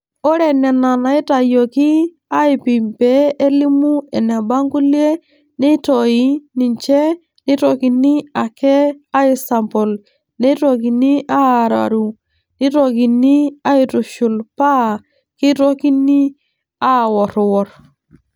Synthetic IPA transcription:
o˦ɾe˨ne˨na˨na˨i˦ta˨jo˨ki˦ | a˦i˨pi˨mpeː˦li˦mu˦e˨ne˨ba˦ŋɡu˦li˦e˦ | ne˦to˨ji˦ni˨nt͡ʃe˦ | ni˦ɾo˨ki˨ni˦a˨ke˦a˦i˨sa˨mpɔ˨l | ne˦to˦˨ki˨ni˦ʔa˦˨ɾa̰˨ɾu˨ | ni˦ɾo˨ki˨ni˦a˦i˨tu˨ʃu˨lpa˦˨ | ki˦ɾo˦ki˦ni˦ | a˦˨wɔ˨ɾwɔ˨ɾ

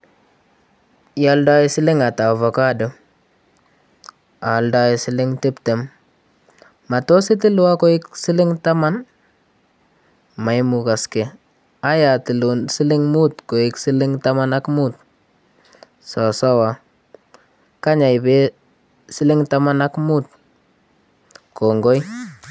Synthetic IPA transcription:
ja˦lda˦ji˦si˦lɪ˦ŋa˨ta˨vo˨ka˦də˨ | a˨lda˦jisi˦lɪ˦ŋti˦pte˨m | ma˨to˦si˦ti˦lu˦wa˦ko˦ɪ˦ksi˦lɪ˦ŋta˦ma˦n | ma˨jmuka˨ske˨ | a˦ja˨ti˨lunsi˦li˦ŋmu˦tko˨ɪ˨ksi˦lɪ˦ŋtamana˦kmut̚ | sa˨sa˦wa | ka˦ɲa˨jbe˦ | si˦lɪ˦ŋta˦ma˦na˦kmu˦t | ko˨ŋɡo˦j

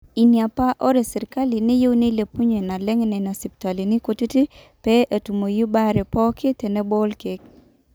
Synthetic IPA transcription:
i˨nja˨pa˦ʔɔ˦ɾe˨sɪ˨ɾɪ˨ka˦li˨ne˦jo˦wni˦le˨pu˦ɲe˨na˨lɛ˦ŋ˦nɛ˨na˨si˨pta˨li˨ni˦ko˨ti˦ti˦ | pɛ˦ʔa˨tu˨mo˨ju˦ba˦ɾɛ˨pɔ˦kɪ˦te˨nɛ˦bo˦lke˨˦k̚

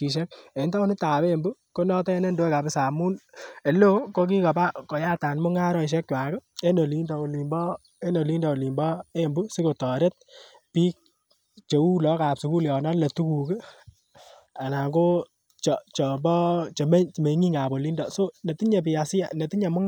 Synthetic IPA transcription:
ki˨ʃ̬ɛ˦ke˨˦nta˦nɪ˦ta˨pe˦˨mbu˦ko˦nɔ˦tɔ˦nɛ˦ndo˦ɛ˦ka˨bɪ˦sa˨mu˦ne˨lo˦ko˦k̬i˦ka˨ba˦ko˨ja˦ta˨nmʊ˦ŋa˦ɾɔ˦˨ʃ̬ɛ˦k̚t͡ʃwa˨kɔ˦e˦no˨li˦ndɔ˨o˨li˨mbɔ˦ | e˦no˨li˦ndɔ˨o˨li˨mbɔ˦e˦mbu˦si˦ko˨tɔ˨ɾe˦t̚ | pi˦k̚ | t͡ʃe˨u˦lɔ˦ka˨psu˨ku˦ljɔ˨na˦le˨tu˦ku˨ke˦ | a˨na˨ko˦ | t͡ʃɔ˨t͡ʃɔ˨mbɔ˦t͡ʃe˨me˦t͡ʃme˨ŋi˦ŋa˨bo˨li˦ndɔ˨so˦ne˨ti˦ɲe˨pɪ˨a˨sɪ˦a˨ne˨ti˦ɲa˨mʊ˦ŋ

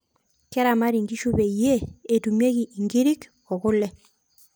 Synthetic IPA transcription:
kɛ˦ɾa˨ma˦ɾi˨ŋɡi˦ʃu˦be˨i˨jeː˦˨tu˨mje˦ki˨ʔi˨ŋɡi˦ɾi˦k | ɔ˨kʊ˦lɛ˦

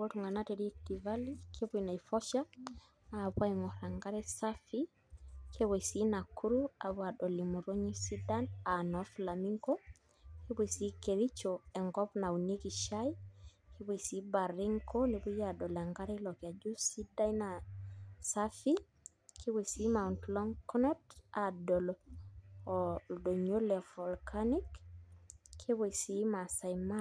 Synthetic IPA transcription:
wo˦tu˨ŋɡa˨na˦te˨ɾi˦ti˨va˦li˦kʰe˦bu˨ina˨i˨fɔ˦ʃa˦ | aβwa˦i˨ŋɔ˨ɾa˨ŋɡa˦ɾɛ˦sa˦fi˦ | kʰe˦βe˨i˨si˦na˨kʰu˦ɾu˦a˨βwa˨ɗɔ˨li˨mu˨ɾo˦ɲi˦si˦da˦na˨nɔ˨˦fla˨mi˦ŋkɔ˦ | ke˦βe˨i˨si˨˦ke˨ɾi˦t͡ʃɔ˨ɛ˨ŋɡɔ˦pna˨u˨ni˦ki˨ʃa˦i˦kʰi˦be˨si˨˦ba˨ɾi˦ŋkʰo˦ne˨bu˦ja˨ɗɔ˨lɛ˨ŋɡa˦ɾe˦lɔ˨ki˨a˨d͡ʒu˦si˦da˦ina˨ | sa˦fi˦ | kʰi˦be˨si˦ma˨untlɔ˦ŋkɔ˦nɔ˦ta˨dɔ˨l | do˨ɲo˦lɛ˨vɔ˨lkʰani˦kːʰ | e˦be˨si˨ma˨sa˨jma

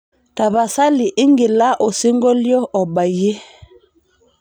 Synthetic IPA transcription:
ta˨βa˨sa˦li˨ʔi˦ŋɡi˨la˦ʔo˨si˦ŋɡo˦ljɔ˦ʔɔ˨ba˨je˦

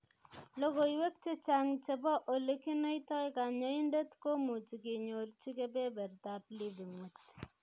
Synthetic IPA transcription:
lo˦ko˨i˦we˦k̚t͡ʃe˦t͡ʃa˦ŋt͡ʃe˦bɔ˦ʔo˨le˦ki˦no˦i˦tɔ˦jka˨ɲɔ˦i˦nde˦tko˦mu˨t͡ʃi˨ki˨ɲo˨rt͡ʃi˦ke˦pe˦bɛ˨rta˨pli˦ði˨ŋwu˨t

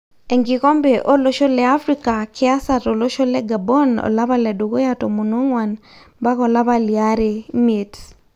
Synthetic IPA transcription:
ɛ˨ŋɡi˨kɔ˦mbe˨ʔo˦lo˦ʃo˦lɛ˦a˦fɾi˦ka˨kʰɪ˦a˦sa˨to˨lo˦ʃo˦lɛ˦ɡa˨bɔ˦nɔ̰˨la˦βa˦lɛ˨do˨ko˦jatɔ˨mo˨no˦ŋwa˨n | ba˦kɔ˨la˦βa˨lia˦ɾe˨me˨t

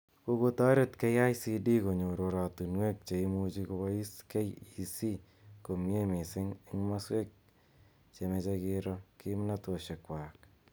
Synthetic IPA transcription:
ko˧ko˦ta˦ɾe˦tke˦ja˦jsi˧di˦ko˨ɲo˨ɾo˨ɾa˨tu˨nwe˦k̚t͡ʃe˨i˦mu˦t͡ʃi˧ko˧ba˦i˦ske˦ji˨si˦ | ko˨me˦mɪ˨sɪ˦ŋɪ˦ŋma˦swe˦k̚ | t͡ʃe˨me˧t͡ʃe˧kɪ˧ɾɔ˦ki˦mna˦to˨ʃe˨kwa˨k̚

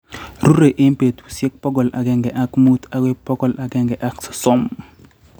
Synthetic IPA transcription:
ɾu˦ɾe˨ʔɪ˦mpe˨t̪u˨sɛ˦k̚pɔ˦ɡɔ˨la̰˨ɡɛ˦ŋɡɛ˨ʔa˦kmu˦t̪a˨ɡe˦pːɔ˦ɡɔ˨la˨ɡɛ˦ŋɡɛ˨ʔa˦ksɔ̥˨sɔ˦m

